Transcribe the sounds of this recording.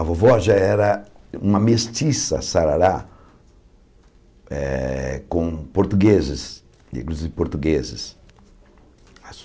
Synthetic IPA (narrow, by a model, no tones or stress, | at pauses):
avovɔʒɐɛɾɐ | ũmɐmest͡ʃisɐ̰saɾaɾa | ɛ̰kõpoɾt̪uɡezɪs | ḭ̃kluzivɪpoɾt̪uɡezɪs | as